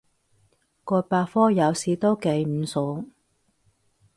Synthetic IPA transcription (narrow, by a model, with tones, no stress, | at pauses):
kɔː˧paː˧fɔː˥jɐ˨˧wsiː˨˧t̪o˥wke˨˧˥jm̩˨˧sʊ˨˥ŋ